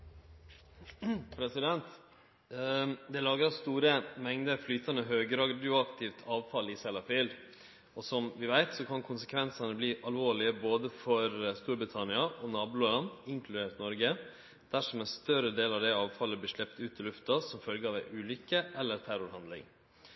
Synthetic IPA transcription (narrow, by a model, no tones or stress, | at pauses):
pʰɾɛsɪd̪ɛnt̪ | d̪ɛlɑːɡɾɑst̪uːɾəmɛŋd̪əɾflyːt̪ɑnəɦøːɡɾɑɡd̪ɪʊɑkt̪ʰɪʋt̪ʰɑːʋfɑlɪsɛlɑfɪːld̪ | ɔsɔmʋɪʋæɪt̪sɔkʰɑnkʰʊnsə̥kʰʋɛnsɑnəbliːʔɑlʋoːɭɪəboːd̪əfɔɾst̪uːɾbɾɪt̪ʰɑnɪɑʔɔnɑːbʊloːlɑnd̪ɪŋkʰlʉd̪eːʈnɔɾɡə | d̪̥æʂɔmæst̪œɾəd̪eːlɑʋd̪æɪɑːʋfɑlːəbliːʂɭɛpt̪ʉːt̪ɪlʉft̪ɑsɔmfœlɡəɑːʋæʔʉːlʏkəʔɛlːəɾt̪ʰæɾʊɾhɑnd̪lɪ̰ŋ